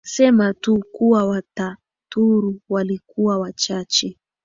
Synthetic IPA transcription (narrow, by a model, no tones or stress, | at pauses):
sɛmatukuwawata | tuɾuwalikuwawat͡ʃat͡ʃɛ